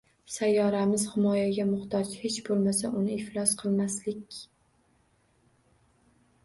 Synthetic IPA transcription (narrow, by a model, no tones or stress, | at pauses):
sajːɒɾamɪz̥hɪmɒjaɡʲamʊχt̪ʰɒt͡ʃhet͡ʃbolˠmasaʔʊnɪɪhlˠɒsqʰɨlˠmaslɪkʲ